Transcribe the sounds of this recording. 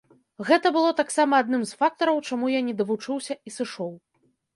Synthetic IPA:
ɣɛt̪ɐbɨlˠɔt̪aksamɐːd̪nɨmsfak̚t̪ɐɾɐwt͡ʂamujanʲɛd̪ɐvut͡ʂɨwsʲɐisɨʂɔw

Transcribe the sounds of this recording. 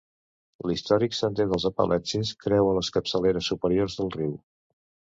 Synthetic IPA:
list̪ɔɾiksənt̪eðəlˠzəpə̰lʔɛt͡ʃiskɾɛwələskəpsəleɾəsːupəɾiorzðəlˠriw

